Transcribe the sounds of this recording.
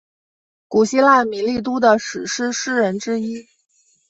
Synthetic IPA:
ku˨˩ɕi˥la˥˩mi˧˥nli˥˩t̪̬u˥d̪ə˨ʂɻ̩˨˩ʂɻ̩˥ʂɻ̩˥ɻə˧˥nʈ͡ʂɻ̩˥i˥

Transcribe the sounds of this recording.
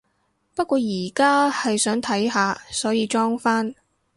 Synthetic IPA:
pɐ˥t̚kʷɔː˧jiː˨˩kaː˥hɐ˨jsœː˨˥ŋt̪ʰɐ˨˥jɦaː˨˧sɔː˨˥jiː˨˧t͡ʃɔː˥ŋfaː˥n

